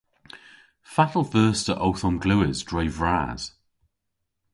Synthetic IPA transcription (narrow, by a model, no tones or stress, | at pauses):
fatəl̩ˠfɜˑstʰəʔoʊθɔ̃nɡlʉːɪzdɹeɪvɹa̰ːz̥